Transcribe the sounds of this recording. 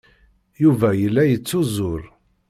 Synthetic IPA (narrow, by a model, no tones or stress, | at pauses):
juvæjəlːæjət͡sːʊzʊɾ